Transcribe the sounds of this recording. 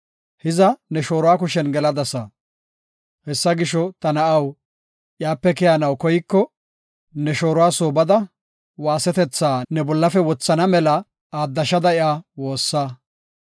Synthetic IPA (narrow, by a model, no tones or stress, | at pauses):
hɪzɐnɛʃo̞ːɾʊwaːk̬ʊʃɛnɡɛlɐd̪ɐsɐ | hɛsːɐɡɪʃɔt̪ɐnɐʔɐw | ʔɪjaːpːɛkɛjanɐwkɔjɪkːɔ | nɛʃo̞ːɾʊwaːsoːbɐd̪ɐ | waːsɛt̪ɛt͡sːaːnɛbɔlːɐfɛwɔt͡sːɐnɐmɛlɐ | aːd̪ːɐʃɐd̪ɐɪʔaːwo̞ːsːa